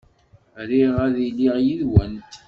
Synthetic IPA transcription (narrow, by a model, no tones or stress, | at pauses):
ɾiʁæðiliʁjiðwænt̪